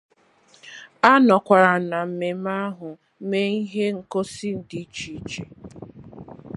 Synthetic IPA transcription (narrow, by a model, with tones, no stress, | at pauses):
a˦nɔ˨kʷa˨ɾa˨na˨m̩˨me˨m˦a˦ɦʊ˨ | me˦i˦ɦe˦ŋ̩˨ko˦si˦n̩˨di˦t͡ʃi˦t͡ʃe˨